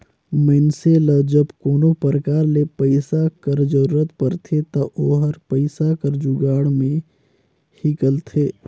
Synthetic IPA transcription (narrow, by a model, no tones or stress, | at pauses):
məɪnseləd͡ʒəbkoːnopəɾəkaːɾlepəɪsakəɾd͡ʒəɾuːɾət̪pəɾt̪ʰet̪ɐʔoːɦəɾpəɪsakəɾd͡ʒuɡaːɽmẽ | hɪkəlt̪ʰeː